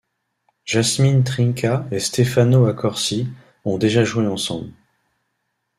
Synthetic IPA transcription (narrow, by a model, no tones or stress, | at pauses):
ʒ̥asmint̪χiŋkʲʰaest̪efanoakʰɔʁsi | ɔ̃d̪eʒaʒueɑ̃sɑ̰̃bl